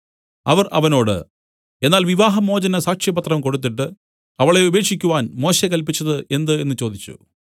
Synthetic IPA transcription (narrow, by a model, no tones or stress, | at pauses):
ɐʋɐrʔɐ̰ʋɐno̞ːɽɨ̰ | e̞nːaːlʋiʋaːɦɐmo̞ːd͡ʑɐnɐsaːkʂjɐbɐt̪rɐmko̞ɽut̪̬ːiʈːɨ | ɐʋiɭeube̞ːkʂikʲːuʋaːnmo̞ːɕekɐlpit͡ɕːɐðɨʔe̞nd̪ɨe̞nːɨt͡ɕo̞ːd̪it͡ɕːṵ